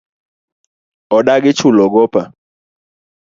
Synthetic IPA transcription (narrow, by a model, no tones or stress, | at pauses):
ɔɗaɡɪt͡ʃʊlɔɡɔpa